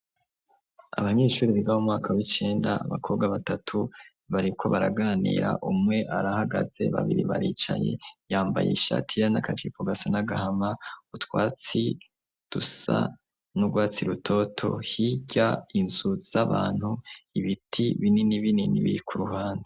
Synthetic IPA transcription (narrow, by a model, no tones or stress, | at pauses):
a̰βaɲe̞ːʃuːɾiβiɡahomŋaːkʰawit͡ʃe̞ːndaːβa̰kʰo̞ːbɡaβatatʰu | βaɾikʰo̞βaɾaɡaːnḭːɾa̰ʔumŋe̞ʔaɾahaɡaz̥e̞̰βa̰βiɾiβaɾiːt͡ʃa̰je̞̰jaːmba̰jḛiʃa̰tʰijanakat͡ʃipoɡasanaɡahamautwaːt͡si | d̥usa̰ | nuɡwaːt͡siɾutʰo̞tʰo̞̰hiɟainz̥uz̥aβaːn̥huiβitʰiβininiβininḭβḭɾikʰuɾuɦaːnde